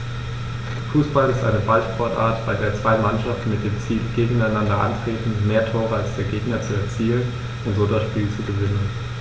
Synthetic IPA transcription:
fuːsb̥alɪstʔa̰ɪnəbaltʃpʰɔɐtʔa̰ːɐtb̥aɪdeːɐt͡sv̥aɪmanʃaftn̩mɪt̚d̥eːmt͡siːlɡ̥eːɡŋ̩aɪnandɐʔa̰ntʁ̥eːtn̩meːɐtʰoːʁəalsd̥eːɐɡeːɡnɐt͡suɛɐt͡siːlən | ʊntz̥oːdasʃpiːlt͡suɡəvɪnən

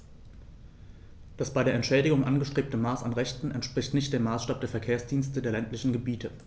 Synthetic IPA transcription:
d̥asb̥aɪɾeːɐɛntʃɛːdɪɡʊŋʔanɡəʃtʁ̥eːp̚təmaːsa̰nʁɛçtn̩ɛntʃpʁ̥ɪçtnɪçt̚d̥eːmːaːsʃtaːp̚d̥eːɐfɛɐkʰeːɐsd̥iːnstədeːɐlɛntlɪçn̩ɡəbiːtʰə

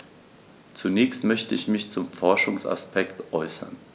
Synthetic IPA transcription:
t͡sunɛːçstmœçtəɪçmɪçt͡sʊmfɔɐʃʊŋsa̰spʰɛktʔɔʏsɐ̰n

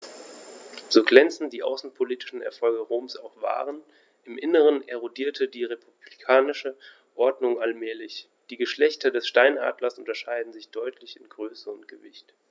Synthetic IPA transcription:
z̥oːɡlɛnt͡sn̩d̥iːʔa̰ʊsn̩pʰoliːtɪ̥ʃn̩ɛ̰ɐfɔlɡəʁoːmsaʊxv̥a̰ːʁ̞ən | ʔɪmʔɪnəʁ̞əneʁ̞odiːɐtʰədiːʁepʰub̥likʰaːnɪʃə | ʔɔɐdnʊŋalmɛːlɪç | d̥iːɡəʃlɛçtɐdɛsʃtaɪnʔa̰ːdlɐsʔʊntɐʃaɪdn̩zɪçd̥ɔʏtʰlɪçɪnɡʁøːsəʊntɡ̥əvɪçt

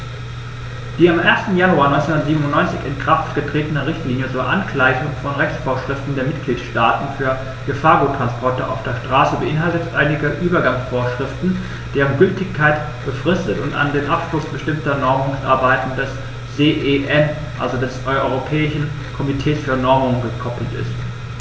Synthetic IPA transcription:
d̥iːamʔeːɐstn̩januaːɐnɔʏnt͡senũndɐtziːbmnʊntnɔʏnt͡sɪçɪnkʁ̥aftɡ̥ətʁ̥eːtənɐʁɪçtliːnjət͡suːɐʔa̰nklaɪçʊŋfɔnʁɛçt͡sfoːɐʃʁ̥ɪftn̩deːɐmɪt̚ɡ̥liːtʃtaːtn̩fyːɐ | ɡ̥əfaːɐɡutʁ̥anspʰɔɐtəʔa̰ʊfd̥eːɐʃtʁ̥aːsəbəʔɪnɦaltətʔaɪnɪɡɐʔyːbɐɡaŋsfoːɐʃʁ̥ɪftn̩ | d̥eːʁənɡʏltɪçkʰːaɪt | b̥əfʁ̥ɪstətʊnta̰ndeːmʔapʃlʊsb̥əʃtɪmtɐnɔɪmʊŋsʔa̰ɐbaɪtn̩dɛs | z̥eːʔeʔɛn | ʔa̰lzodɛsʔɔʏɔʏʁopʰɛːɪʃn̩ | kʰɔmitʰɛːsfyːɐnɔɪmʊŋɡəkʰɔpl̩tɪ̰st

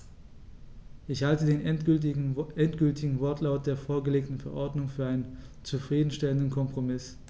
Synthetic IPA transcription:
ʔɪçhaltədeːn | ɛntɡ̥ʏltʰɪɡŋ̩vɔɐtʰlaʊt̚d̥eːɐfoːɐɡəleːk̚tn̩fɛɐʔɔɐdnʊŋfyːɐʔaɪnənt͡sufʁ̥iːdn̩ʃtɛləndn̩kʰɔmpʁ̥omɪs

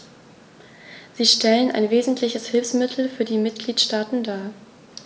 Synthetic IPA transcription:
z̥iːʃtɛlənʔa̰ɪnveːzn̩tʰlɪçəshɪlfsmɪtʰl̩fyːɐdiːmɪt̚ɡ̥liːtʃtaːtn̩daː

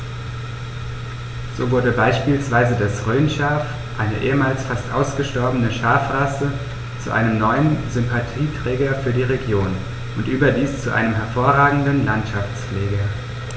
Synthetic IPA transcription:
z̥oːvʊɐdəbaɪʃpiːlsv̥aɪzədasʁøːnʃaːf | ʔaɪnəʔḛːəmaːlsfastʔa̰ʊsɡ̥əʃtɔɐbənəʃaːfʁasə | t͡sṵʔa̰ɪnəmnɔʏənzʏmpʰatʰiːtʁ̥ɛːɡɐfyːɐdiːʁeɡjoːn | ʔʊntʔyːbɐdiːst͡suʔa̰ɪnəmɦɛɐfoːɐʁaːɡŋ̩dn̩lantʃaft͡sflɛːɡɐ

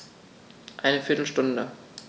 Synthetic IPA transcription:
ʔaɪnəfɪɐtl̩ʃtʊndə

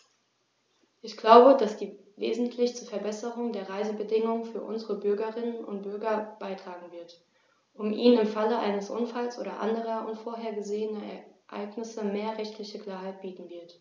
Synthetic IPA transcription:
ʔɪçɡ̥laʊbəd̥asd̥iː | vḛːzn̩tʰlɪçt͡suːɐfɛɐbɛsəʁʊŋdeːɐʁaɪzəbədɪŋʊŋənfyːɐʔʊ̰nzəʁəbʏɐɡɐʁɪnənʔʊ̰nt̚b̥ʏɐɡɐb̥aɪtʁ̥aːɡŋ̩vɪɐt | ʔʊmʔiːnɪmfaləʔa̰ɪnəsʔʊ̰nfalsʔo̰ːɾɐʔa̰ndəʁ̞ɐʔʊ̰ntfoːɐɦeːɐɡəzeːənɐɛ̰ɐʔa̰ɪɡnɪsəmeːɐʁɛçtʰlɪçəkl̥aːɐɦaɪt̚b̥iːtn̩vɪɐt

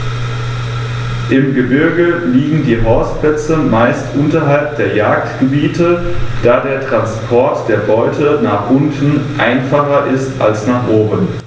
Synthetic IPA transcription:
ʔɪmɡəbɪɐɡəliːɡŋ̩diːɦaʊsplɛt͡səmaɪstʔʊntɐɦalp̚d̥eːɐjaːk̚tɡ̥əbiːtʰəd̥aːdeːɐtʁ̥anspʰɔɐtd̥eːɐbɔʏtʰənaːχʔʊntn̩ʔaɪnfaχɐʔɪsta̰lsnaːχʔoːbən

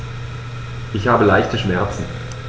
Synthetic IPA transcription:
ʔɪçhaːbəlaɪçtəʃmɛɐt͡sn̩

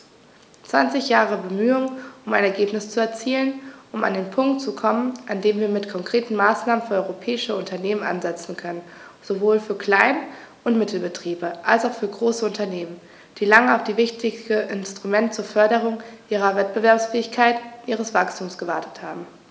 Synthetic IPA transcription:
t͡sv̥ant͡sɪçjaːʁ̞əbəmyːʊŋʊmaɪnɛɐɡeːpnɪst͡suɛɐt͡siːlənʔʊma̰ndeːnpʰʊŋk̚tt͡sukʰɔmənʔandeːmviːɐmɪtkʰɔŋkʁ̥eːtn̩maːsnaːmənfyːɐɔʏʁopʰɛːɪʃəʊntʰɐneːmənʔa̰nzɛt͡sn̩kʰœnənz̥ovoːlfyːɐkʰl̥aɪn | ʊntmɪtʰl̩bətʁ̥iːbəʔalsaʊxfyːɐɡʁoːsəʊntʰɐneːmən | d̥iːlaŋəaʊfd̥iːvɪçtʰɪsəʔɪnstʁ̥umɛntt͡suːɐfœɐɾəʁ̞ʊŋʔiːʁ̞ɐvɛt̚b̥əvɛɐpsfɛːɪçkʰaɪtʔiːʁ̞əsv̥akstʰuːmsɡ̥əvaɐtʰə̥thaːbm̩

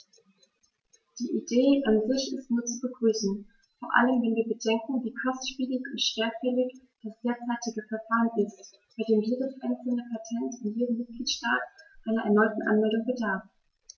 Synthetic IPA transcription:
d̥iːʔideːʔanzɪçɪstnuːɐt͡subəɡʁyːsn̩ | foːɐʔa̰ləmvɛnviːɐbədɛŋkŋ̩viːkʰɔstʃpiːlɪçʊntʃv̥eːɐfɛlɪç | d̥asd̥eːɐt͡saɪtɪɡəfɛɐfaːʁənɪst | b̥aɪdeːmjeːdəsʔaɪnt͡sl̩nəpʰatʰɛntʊntjeːdəm̩mɪt̚ɡ̥liːtʃtaːtʔaɪnɐʔɛ̰ɐnɔʏtn̩ʔa̰nmɛldʊŋbədaːf

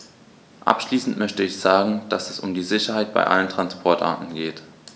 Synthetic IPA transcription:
ʔa̰pʃliːsn̩tmœçtəɪçz̥aːɡŋ̩d̥asɛsʊ̰mdiːzɪçɐhaɪt̚b̥a̰ɪʔa̰ləntʁ̥anspʰɔɐtʔa̰ːɐtn̩ɡeːt

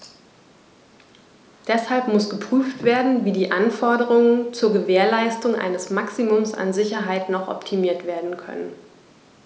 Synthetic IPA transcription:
d̥ɛshalpmʊsɡ̥əpʁ̥yːftv̥eːɐdn̩viːdiːʔanfɔɐɾəʁ̞ʊŋənt͡suːɐɡəveːɐlaɪstʊŋʔa̰ɪnəsmaksimʊmsa̰nzɪçɐɦaɪtnɔχʔɔ̰ptʰimiːɐtv̥eːɐdn̩kʰœ̰nən

